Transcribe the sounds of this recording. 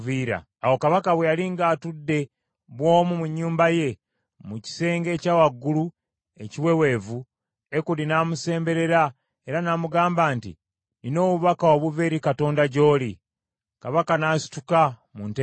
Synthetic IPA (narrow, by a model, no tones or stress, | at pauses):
viɾa̰ːwo̞kaβakaβwejaliŋɡaːtudːe̞ | βwo̞ːmumuɲːuːmbaje̞ | muci̥se̞ːŋɡe̞ːcaːwaɡːulu | e̞ciwe̞we̞ːvu | e̞kulinamuse̞ːmbe̞ɾe̞ɾa | e̞ɾanamuɡaːmbaːntḭ | nino̞ːβuβakaoβuveɾikato̞ːndaɟo̞ːli | kaβakanaːsi̥tuka | munte